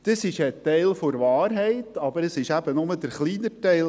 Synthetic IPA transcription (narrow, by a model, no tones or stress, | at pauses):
d̥əsɪʃətɛɪlfoɾvɑːɾɦɛɪt̪ɑbəɾəsɪʃæb̥ənʊməd̥əɾχliːnətɛɪ